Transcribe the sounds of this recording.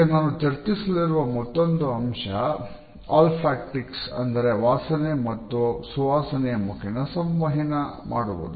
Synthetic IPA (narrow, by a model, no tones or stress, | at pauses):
ɐnaːnut̪ɐɾt̪isɐliɾuʋɐmɔt̪ːond̪uɐmʂɐ | aːlpʰɾaːk̚ʈiksɐ̰nd̪ɐɾe̞ʋaːsɐnemɐt̪ːusuʋaːsɐnɛjɐmukʰɛnɐsɐmʋɐɦinɐma̰ːɽubo̰d̪u